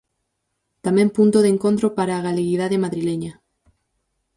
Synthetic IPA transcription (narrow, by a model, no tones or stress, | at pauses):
t̪amẽmpunt̪oðeŋkont̪ɾopaɾaːɣaleɣið̞aðemaðɾileɲa